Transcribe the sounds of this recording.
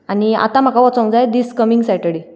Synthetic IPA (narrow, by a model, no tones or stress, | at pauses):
ania̰t̪ãm̤akʰaʋɔt͡sɔ̃ŋd͡zajd̪iskəmiŋɡsajʈəɽi